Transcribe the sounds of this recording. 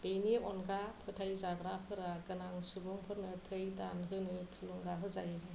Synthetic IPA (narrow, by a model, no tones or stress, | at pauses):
b̥ejniʔɔnɡapʰɯtʰajzaɡɾapʰɯɾaɡɯnaŋsubuŋpʰɯɾnɯtʰɯjda̰nɦɯnɯtʰɯluŋɡaɦɯzajɦ